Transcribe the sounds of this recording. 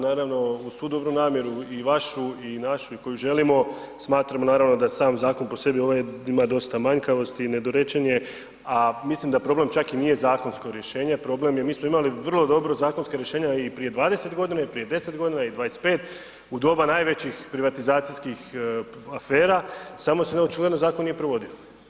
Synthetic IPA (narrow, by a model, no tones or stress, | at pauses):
naːɾaʋno̞usʋuːd̪o̞bɾunaːmje̞ɾuiʋaʃuinaʃuiko̞juʒe̞limo̞ | smaːt̪ɾamo̞naːɾaʋno̞d̪asaːmzaːko̞npo̞se̞bio̞ʋojeimad̪o̞st̪amaɲkaʋo̞st̪ine̞d̪o̞ɾet͡ɕenie̞ | amislimd̪apɾo̞ːble̞mt͡ʃakiniːje̞zaːko̞nsko̞ɾje̞ʃe̞ːɲe̞pɾo̞ble̞mjemiːsmo̞imaliʋr̩lˠo̞d̪o̞bɾo̞zaːko̞nskaɾje̞ʃeːɲaipɾije̞d̪ʋaːd̪e̞se̞t̪ɡo̞d̪inaipɾije̞d̪e̞se̞t̪ɡo̞d̪inaid̪ʋaːjespe̞ːt̪ | ud̪o̞banaːjʋe̞t͡ɕixpɾiʋat̪izaːt̪sijskixafe̞ːɾasamosenot͡ʃiɡled̪nozaːkonije̞pɾoʋo̞d̪io